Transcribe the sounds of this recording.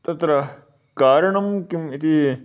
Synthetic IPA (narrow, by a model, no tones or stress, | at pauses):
t̪ɐt̪ɾɐ | kaːɾɐɳɐmkimit̪ʰi